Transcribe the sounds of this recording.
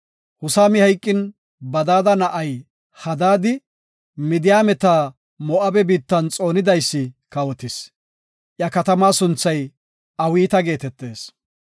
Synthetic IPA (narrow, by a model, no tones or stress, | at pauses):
hʊsaːmɪhɐjkʼːɪn | bɐd̪aːd̪ɐnɐʔɐj | hɐd̪aːd̪ɪ | mɪd̪ɪjaːmɛt̪aː | mɔʔɐbɛbiːt̪ːɐnt͡sʼo̞ːnɪd̪ɐjsːɪkɐwɔt̪ɪs | ʔjɐkɐt̪ɐmaːsʊnt͡sːɐj | ɐwiːt̪ɐɡe̞ːt̪ɛt̪ːe̞ːs